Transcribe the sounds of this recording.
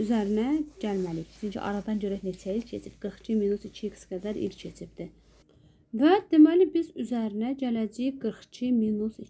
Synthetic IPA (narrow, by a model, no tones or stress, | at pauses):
yzæɾinæɟælmæliiç̥t͡ʃ̪ʰyncʰḭʔɑ̰ɾɑd̪ɑnɟøɾænet͡ʃʰæilcʰe̞t͡ʃʰip̚ɡ̥ɯɾχt͡ʃʰiminusicʰiksɡ̥æd̪æɾḭlʲcʰe̞t͡ʃʰib̚d̪̥i | væd̪̥e̞mælibizyzæɾinæɟælæd͡ʒijiɡɯɾχt͡ʃʰiminusi